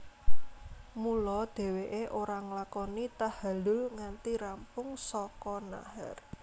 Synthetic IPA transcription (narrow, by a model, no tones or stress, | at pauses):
mulɔd̪̥e̤weʔeʔoɾaŋlakɔnit̪ahalʊlŋant̪iɾampʊŋsɔkɔna̰ha̰r